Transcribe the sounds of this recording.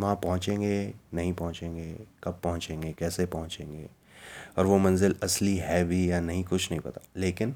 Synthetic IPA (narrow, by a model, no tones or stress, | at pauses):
ʋɐɦãpɐɦʊ̃t͡ʃẽːŋɡenɐɦĩpɐɦʊ̃t͡ʃẽːŋɡeːkɐb̚pɐɦʊ̃t͡ʃẽːŋɡekɛːsepɐɦʊ̃t͡ʃẽːŋɡeː | ɔːɾʋomɐ̃nzɪlɐsliɦɛbʱijanɐɦĩkʊt͡ʃʰnɐɦĩpɐt̪aleːkɪn